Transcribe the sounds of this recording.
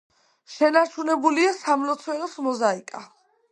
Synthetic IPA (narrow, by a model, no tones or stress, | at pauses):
ʃɛnaɾt͡ʃʰunɛbuliasamlɔt̪sʰwɛɾɔsmɔzaikʼa